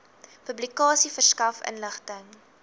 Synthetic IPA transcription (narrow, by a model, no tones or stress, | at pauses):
pɵblikɑːsifərskɐfə̰nləχtəŋ